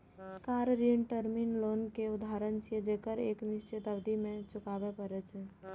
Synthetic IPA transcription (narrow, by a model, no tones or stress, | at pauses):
kaɾɾiʈəɾminlonkeud̪aɾənt͡ʃed͡ʒekəɾekniʃt͡ʃet̪əbd̪imẽt͡ʃukabepəɾɛt͡ʃʰ